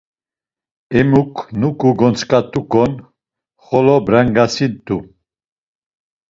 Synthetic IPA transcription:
ɛmukʰnukʼuɡɔnt͡sʰkʼat̪ʼukʼɔn | χɔlɔbɾaŋɡasint̪u

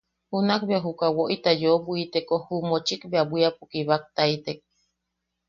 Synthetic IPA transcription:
hunakbeaɦukawoʔit̪ajobuit̪ekohumot͡ʃikbeabʷiapukiβak̚t̪ait̪ek̚

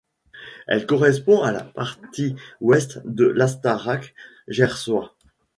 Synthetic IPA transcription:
ɛ̰lkɔʁɛspɔ̃ala̰paʁt̪ʰiwɛst̪d̪əlast̪aʁak | ʒɛʁswa

